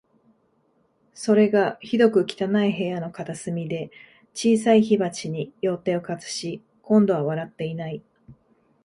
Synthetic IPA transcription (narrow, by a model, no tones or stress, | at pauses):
so̞ɾe̞ɡaçid̪o̞kɯ̟kʲi̥t̪anaiɦe̞ːano̞kat̪asɨmʲid̪e̞ | t͡ɕiːs̬aiçibat͡ɕiɲ̟ijo̞ːt̪e̞ːo̞kat͡sɨ̥ɕi | kõ̞nd̪o̞βaβ̞aɾat̪ːe̞inai